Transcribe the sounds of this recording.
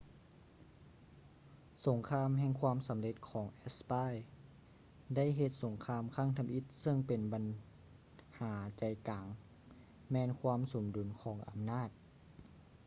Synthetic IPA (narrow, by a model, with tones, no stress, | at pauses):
so˩˦ŋkʰaː˧mɦɛː˧ŋkʰwaː˧˥˨msa˩˦mle˧t̪̚kʰɔː˩˦ŋʔɛ˧˥spaː˧˥˩j | da˥˩˨jɦe˧t̪̚so˨˩˦ŋkʰaː˧mkʰaː˥˩˨ŋt̪ʰa˧mʔi˧˥t̪̚sɤ˧˥˩ŋpe˨nba˨n | haː˩˦t͡ɕa˨˩jkaː˨˦ŋ | mɛː˧nkʰwaː˧˥˨mso˨˩˦mdu˩˦nkʰɔː˩˦ŋʔa̰˨˩mnaː˥˩t̪̚